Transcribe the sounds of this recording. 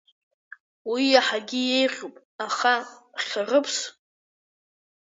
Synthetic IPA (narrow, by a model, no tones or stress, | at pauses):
wijaħaɡʲɪje̞jʁʲupʼ | aχaχʲarɨpʰs